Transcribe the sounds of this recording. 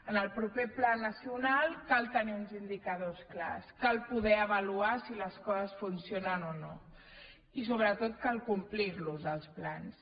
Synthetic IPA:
ənəlˠpɾupeplanəsiunalˠkalˠt̪əniunzind̪ikəðoskla̰skalˠpuðɛəβəluasiləskɔzəsfunsionənono | isoβɾət̪ot̪̚kalˠkumpliɾluzəlˠsplans

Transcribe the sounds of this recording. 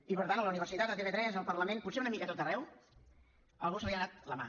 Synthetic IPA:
ipəɾt̪anələuniβ̞əɾsit̪at̪ət̪eβet̪ɾɛznəlˠpəɾləmẽnput̪seunəmikət̪ot̪ərɛw | əlˠɣusəβiənat̪ləma̰

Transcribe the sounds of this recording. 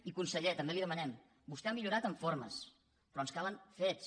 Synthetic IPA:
ikunsəʎet̪əmbeliðəmənɛm | bust̪ɛamiʎuɾat̪əɱfoɾmə̰s | pɾɔənskaləɱfes

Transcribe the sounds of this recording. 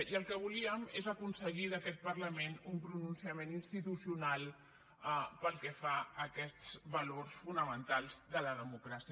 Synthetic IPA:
iəlˠkəβuliəmezəkunsəɣiðəkɛt̪̚pəɾləmenumpɾununsiəmeninst̪it̪usiunalˠ | pəlˠkɛfaəkɛt͡sβəlorsfunəmənt̪alˠzðələðəmukɾasi

